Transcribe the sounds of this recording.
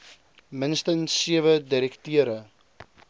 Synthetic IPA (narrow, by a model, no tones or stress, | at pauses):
mənstənsːiəvədiɾɛktiəɾə